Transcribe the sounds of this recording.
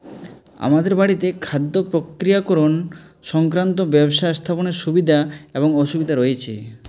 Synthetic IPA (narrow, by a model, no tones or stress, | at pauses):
a̰mad̪eɾbaɽit̪ekʰad̪ːopɾokɾijakɔɾon | ʃɔŋkɾant̪̬obɛbʃast̪ʰaponeɾʃubid̪ʱaeboŋɔʃubid̪ʱaɾojet͡ɕʰḭ